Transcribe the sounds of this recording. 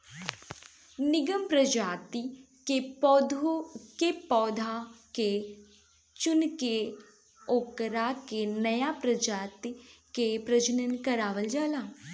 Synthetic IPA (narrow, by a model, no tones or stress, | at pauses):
nɪɡəmpɾəd͡ʒaːt̪i | keɔd̪okepɔːd̪ʱake | t͡ʃʊnke | oːkɾakenəjapɾəd͡ʒaːt̪ikepɾəd͡ʒənənkəɾaːʋəld͡ʒaːlaː